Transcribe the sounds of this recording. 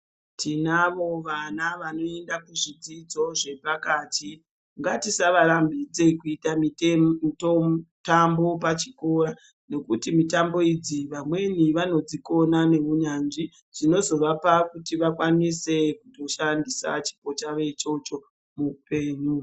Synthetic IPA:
tʰinaʋo̞ʋanaʋano̞e̞ndakuʐid͡zid͡zo̞ʐe̞pakati | ŋɡatisaʋaɾambid͡ze̞kuitamittotambo̞pat͡ʃi̥ko̞ɾa | ne̞kutimitambo̞id͡ziʋamwe̞niʋano̞d͡ziko̞nane̞ʋuɲanʐi | ʐ̥ino̞zo̞ʋapakutiʋakwanise̞kuto̞ʃandisa̰t͡ʃi̥po̞t͡ʃaʋe̞t͡ʃo̞t͡ʃo̞ | mupe̞ːɲu

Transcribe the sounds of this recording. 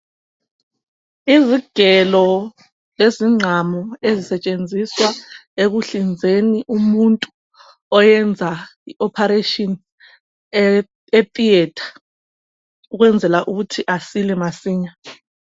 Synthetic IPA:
iziɡ̥ʱɛlɔ | leziŋ͡ǀʱamɔezisɛt͡ʃʼend͡zʱiswaeɣuɬind͡zʱeniʔumuntʼu | ɔjɛnd͡zʱaiʔɔpʰaɾetʼɔn | etʼiɛtʰḁ | uɣwɛnd͡zʱɛlaʔuɣutʰiʔasilɛmasiːɲa

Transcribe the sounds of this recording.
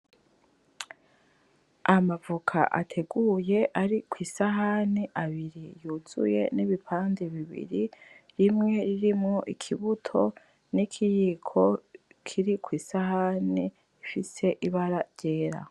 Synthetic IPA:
amavukʰa̰ʔa̰tʰe̞ɡuje̞ʔaɾikwiːsaɦaniʔaβiɾijuzṵje̞̰niβipʰaːndeβiβḭɾiɾimŋe̞ɾiɾimŋoʔikʰiβutʰo̞ | nikʰijikʰo̞kʰiɾikwiːsahani | ifise̞ʔiβaɾaɾɟe̞ːɾa̰

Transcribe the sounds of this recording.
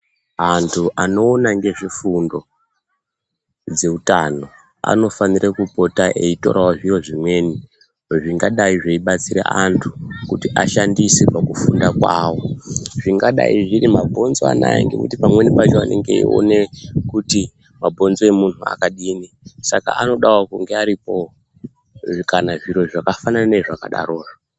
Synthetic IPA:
antʰuʔano̞ːnaŋɡe̞ʐifundo̞ | d͡ze̞utano̞ | a̰no̞fanirekupo̞taʔe̞ito̞̰ɾawaʐijo̞ʐimwe̞ːni | ʐiŋɡaɗaiʐeiɓat͡sira̰ʔantʰukutiʔaʃandisepakufundakwaːwo̞ʐiŋɡaɗa̰iʐirimabʱo̞nzoa̰na̰jḛŋɡekṵtipamwe̞nipat͡ʃoane̞̰ŋɡe̞ḭo̞̰ne̞kuti | mabʱonzoemun̤ua̰kaɗiːni | saka̰ano̞ɗawakuŋɡe̞aɾipo̞ | kanaʐiɾo̞ʐakafanananeʐaka̰ɗa̰ro̞ːrʐa

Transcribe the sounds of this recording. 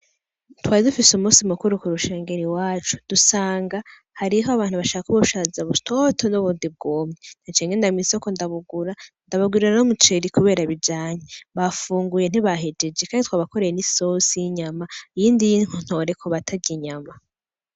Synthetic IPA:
twaːidufisumuːsimukuɾukuɾuʃe̞ːŋɡe̞ɾiwaːt͡ʃu̥d̥usaːŋɡa | haɾiɦoaβaːn̥uβaʃakakuβuʃazaβutotʰonoβundib̚ɡoːmɲen̥at͡ʃeːŋɡendamiso̞ko̞ndaβuɡuɾandaβaɡwiɾianomut͡ʃeɾikuβe̞ːɾaβid͡ʒaːɲeβafuːŋɡuje̞n̥iβaɦed͡ʒe̞d͡ʒekʰaːnditwaːβako̞ɾejeniso̞sijiɲamaijiːndijiŋ̥hun̥ho̞ːɾe̞kʰoβatʰaɟiɲama

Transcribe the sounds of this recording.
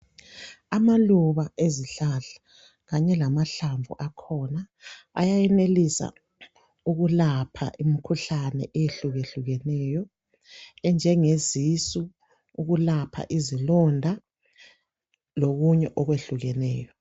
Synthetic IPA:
amaluβaeziɬaɬḁ | ɣaɲɛlamaɬaɱvṵʔakʰɔna | a̰jajɛnelisa̰ | uɣulapʰa̰ʔimikʰuɬanɛ̰ʔɛjeɬuɣeɬuɣɛnɛːjɔ | ɛnd͡ʒʱɛŋezisu | uɣulapʰa̰ʔizilɔndʱa | loɣuɲɛʔɔɣweɬuɣɛnɛːjɔ

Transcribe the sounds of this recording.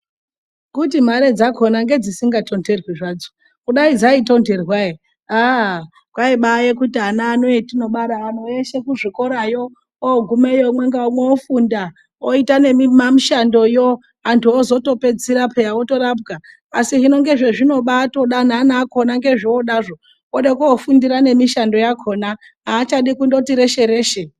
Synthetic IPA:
kutim̤aɾe̞d͡zakʰonaŋɡe̞d͡zisiŋɡatʰo̞nde̞rwiʐaːd͡zo | kuɗaid͡zaito̞nde̞rwai | a | kwaiɓajekutianaːnoetino̞ɓaɾaːn̤oeʃe̞kuʐiko̞ɾajo̞ | oɡʱumejomwe̞ŋɡaomweofunda | oitane̞mimamiʃando̞jo | antʰuozo̞to̞pe̞d͡ziɾapʰejaoto̞rap̬ɡaː | siʐino̞ŋɡe̞ʐe̞ʐino̞ɓaːto̞ɗananaːko̞naŋɡe̞ʐioɗaʐo̞ | oɗekuofundiɾane̞miʃando̞jakʰo̞ːna | aːt͡ʃaɗikundotiɾe̞ʃe̞ɾeːʃe

